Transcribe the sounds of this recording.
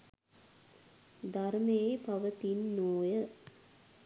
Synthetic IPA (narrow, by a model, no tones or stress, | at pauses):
d̪ɐɾmeːpɐʋɐt̪inːoːjə